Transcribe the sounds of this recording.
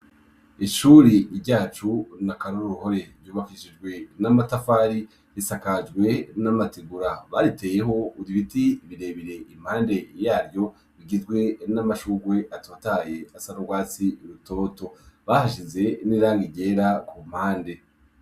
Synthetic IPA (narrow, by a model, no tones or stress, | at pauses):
iʃuɾiβɟaːt͡ʃunakaɾoɾuɾuho̞ɾe̞ɾjuːβakiʃid͡ʒɡwe̞namatafaːɾi | hisakad͡ʒɡwe̞namatiɡuɾaβaɾite̞ːje̞ɦo̞uɾiβitiːβiɾe̞ːβiɾe̞ʔim̥haːnde̞jaːɾjo̞ | βiɡizɡwe̞namaʃuɡwe̞ʔatʰo̞ːtaje̞asanoɡwaːt͡siuɾuto̞ːto̞βahaʃ̬ize̞niɾaːŋɡiɟe̞ːɾakum̥haːnde̞